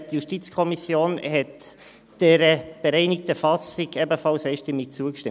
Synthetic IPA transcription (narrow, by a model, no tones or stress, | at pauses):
tjuʃtit͡skʰɔmisjoːnhɛt | d̥ɛɾəb̥eɾɛɪnɪk̚t̪əfɑsɪɡɛbəfɑlsɛɪʃtɪmːɪk̚t͡suəkʃtɪm